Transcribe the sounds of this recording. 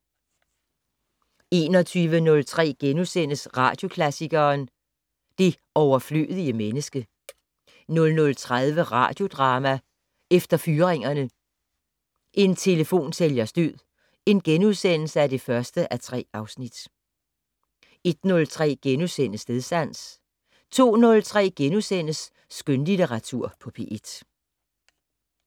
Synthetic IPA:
e̝ːnɒ̽t͡sʰyːʋənɔ̽lt͡sʰʁɛ̰ːɡ̥enuðˠsen̰əsʁɑ̈ːd̥jo̝kʰlæsiɡ̥ɐːn | d̥e̝ | ɒʊɐfly̰ːð̞ˠiəmenəsɡ̥ə | nɔ̽lnɔ̽lt͡sʰʁaðˠʋəʁɑ̰̈ːd̥jo̝d̥ʁɑ̈ːmæ | efd̥ɐfyːʁeŋɐnə | ʔe̝nt͡sʰe̝ləfo̝̰ːnseljɐsd̥øð̰ˠ | e̝nɡ̥enuðˠsen̰l̩səæd̥e̝fɶɐsd̥əʔæt͡sʰʁɛ̰ːɑ̈ʊsnid̥ | e̝d̥nɔ̽lt͡sʰʁɛ̰ːɡ̥enuðˠsen̰əsne̝ðˠsd̥æn̰s | t͡sʰo̝̰ːnɔ̽lt͡sʰʁɛ̰ːɡ̥enusen̰əsː | ɡ̥ønlit͡seʁɑ̈t͡sʰuɐ̰pʰɒ̽pʰe̝̰ʔed̥

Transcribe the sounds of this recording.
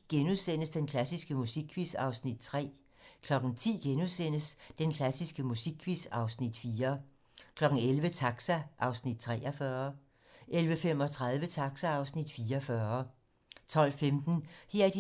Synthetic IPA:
ɡ̥enuðˠsen̰əsd̥enkʰlæsisɡ̥əmusiɡ̥ʰʋisɑ̈ʊsnid̥̚t͡sʰʁɛ̰ː | kʰlɒ̽ɡ̥n̩t͡sʰḭːɡ̥enusen̰əsd̥enkʰlæsisɡ̥əmusiɡ̥ʰʋisɑ̈ʊsnid̥fiːɐ | kʰlɒ̽ɡ̥n̩elʋət͡sʰɑ̈ɡ̥sæʔɑ̈ʊsnid̥̚t͡sʰʁɛːʔɒfɶːɐ | ʔelʋəfem̰ɒ̽t͡sʰʁað̞ˠʋət͡sʰɑ̈ɡ̥sæɑ̈ʊsnid̥fiːɐfɶːɐ | t͡sʰɒ̽l̰femd̥n̩he̝ɐd̥i

